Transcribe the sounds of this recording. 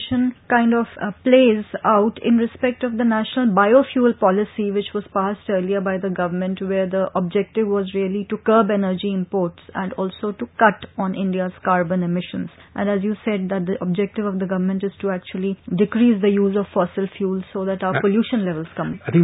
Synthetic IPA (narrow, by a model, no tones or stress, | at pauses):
ʃə̃nkãɪ̃ɳɖɔʋpleːzaʊʈɪ̃nɾɪspɛk̚ʈɔʋd̪ənæʃnəlbaɪoːfjuːlpɔlɪsiʋɪt͡ʃʋɔːz̥paːsʈəːɾliəbaɪd̪əɡʌʋəmə̃nʈʋeɾd̪iʔɔb̚d͡ʒɛk̚ʈɪʋʋɔːzɾiəliʈukəːbɛnəɾd͡ʒiɪ̃mpoːɾʈsɛ̃ɳɖɔːlsoːʈukʌʈɔ̃ːnʔɪ̃ɳɖiaz̥kaːɾbə̃nemɪʃə̰̃nzʔæ̃ɳɖæzjuːsɛɖ̚d̪æʈ̚d̪iʔɔb̚d͡ʒɛk̚ʈɪʋɔʋd̪əɡʌʋəɾmə̃ɳʈɪz̥ʈuæk̚t͡ʃuəliɖɪkɾiːzd̪əjuːzɔffɔːsɪlfjuːlzsoːd̪æʈaʊpoljuːʃə̃nlɛʋəlz̥kʌ̃mɪt̪ɪ̃ŋ